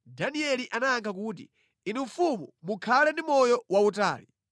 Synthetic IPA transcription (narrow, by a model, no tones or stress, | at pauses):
daniɛliʔanaːŋkʰak̬uːt̬ḭ | inumfumumukʰalɛndimɔjɔwauta̰ːli